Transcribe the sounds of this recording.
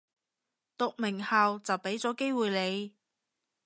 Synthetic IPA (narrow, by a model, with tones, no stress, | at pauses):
t̪ʊ˨k̚mɪ˨˩ŋhaː˨wt͡sɐ˨wpe˨˥jt͡sɔː˨˥ke˥jwuː˨jle˨˧j